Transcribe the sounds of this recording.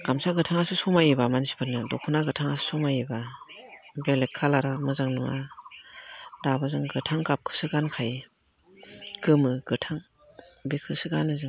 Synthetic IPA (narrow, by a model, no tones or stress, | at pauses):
ɡ̥amsaɡɯtʰaŋasɯsɔmajibamansi̥pʰɯnːɯdɔkʰɔnaɡɯtʰaŋasɯ̥sɔmajiba | belekʰːalaɾamɯzaŋnɯma̰ | dabazɯŋɡɯtʰaŋkap̚kʰɯ̥sɯɡankʰaj | ɡɯmɯɡɯtʰaŋ | bekʰɯsɯɡanɯzɯŋ